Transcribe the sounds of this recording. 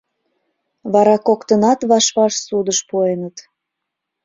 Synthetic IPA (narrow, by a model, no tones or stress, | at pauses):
βɑɾɑkokt̪ənɑt̪βɑʃβɑʃsud̪əʃpuenət̪